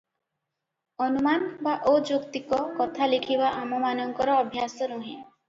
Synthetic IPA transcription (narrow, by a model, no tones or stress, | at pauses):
ɔnumanbaʔod͡ʒokt̪ikɔkɔt̪ʰalikʰibaʔamɔmanɔŋkɔɾɔːbʱjasɔɾoɦin